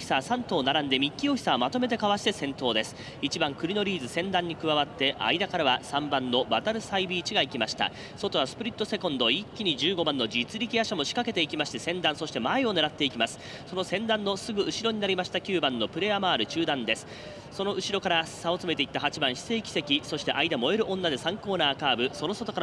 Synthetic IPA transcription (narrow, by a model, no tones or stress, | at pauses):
çi̥sasãnt̪o̞ːnaɾãnd̪e̞mʲikʲːio̞çʲi̥saomat̪o̞me̞t̪̬e̞kaβaɕi̥t̪e̞sẽ̞nt̪o̞ːd̪e̞sɨ̥ | it͡ɕibãŋkɯ̟ɾʲino̞ɾʲiːzɨsẽ̞nd̪ãɲ̟ːikɯ̟βaβat̪ːe̞ʔa̰id̪akaɾaβasãmbãnːo̞bat̪aɾɯ̟saibʲiːt͡ɕiɡaikʲimaɕi̥t̪a̰ | so̞t̪o̞βasɨ̥pɯ̟ɾʲit̪ːo̞se̞kõ̞nd̪o̞ikʲːiɲ̟id͡ʑɨːɡo̞bãnːo̞d͡ʑit͡sɨɾʲikʲijaɕamo̞ɕi̥kake̞t̪e̞ikʲimaɕi̥t̪e̞sẽ̞nd̪ãɰ̃so̞ɕit̪e̞maeo̞ne̞ɾat̪ːe̞ikʲimasɨ̥ | so̞no̞sẽ̞nd̪ãnːo̞sɨɡɯ̟ʔɯ̟ɕiɾo̞ɲ̟inaɾʲimaɕi̥t̪akʲɨːbãnːo̞pɯ̟ɾe̞jamaːɾɯ̟t͡ɕɨːd̪ãnd̪e̞sɨ̥ | so̞no̞ɯ̟ɕiɾo̞kaɾasao̞t͡sɨme̞t̪e̞it̪ːahat͡ɕibãɰ̃ɕi̥se̞ːkʲi̥se̞kʲiso̞ɕi̥t̪e̞ʔaid̪amo̞e̞ɾɯ̟ʔõ̞nːad̪e̞sãŋko̞ːnaːkaːbɯ̟so̞no̞so̞t̪o̞kaɾ